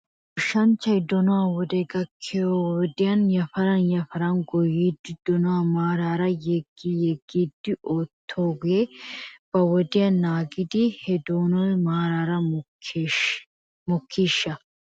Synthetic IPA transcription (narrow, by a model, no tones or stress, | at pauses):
ʊʃːɐnt͡ʃːɐɪd̪ɔnɔwɐwɔd̪ɛɡɐkʰːɪjowɔd̪ɪjɐnjɐfɐɾɐnjɐfɐɾɐnɡɔjiːd̪ːɪd̪̥ɔnɔwɐmaːɾaːɾɐjɛɡijɛɡːiːd̪ːɪʔoːt̪ʰːoːɡʊeb̥ɐwɔd̪ɪjɐnːaːɡɪd̪ɪhɛd̪oːnɔjmaːɾaːɾɐm | mɔkʰːiːʃːɐ